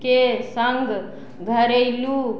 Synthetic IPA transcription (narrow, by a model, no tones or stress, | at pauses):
kesəŋɡ | ɡʱəɾəɪlu